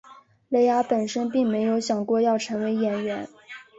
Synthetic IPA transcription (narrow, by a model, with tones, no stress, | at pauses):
le˧˥ɪja˧˥pə˨˩nʂə˥npi˥˩ŋme˧˥ɪjo˧˥ʊɕjɑ˨˩ŋkwɔ˥˧jɑ˥˩ʊʈ͡ʂʰɤ˧˥ŋwe˧˥ɪjɛ˧˥nɥɛ˧˥n